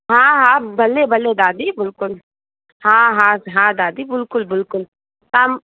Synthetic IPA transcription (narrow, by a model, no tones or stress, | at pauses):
ɦãːɦãbɐlːebʱɐlːed̪aːd̪ibɪlkʊl | hãːɦãːɦãːd̪aːd̪ibɪlkʊlbɪlkʊl | t̪aːm